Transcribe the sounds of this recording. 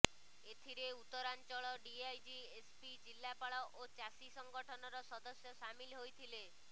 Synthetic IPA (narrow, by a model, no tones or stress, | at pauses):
et̪ʰiɾeut̪ɔɾant͡ʃɔɭɔɖiajd͡ʒiespid͡ʒilːapaɭɔʔot͡ʃasisɔŋɡɔʈʰɔnɔɾɔsɔd̪ɔsjɔsamilɦojt̪ʰile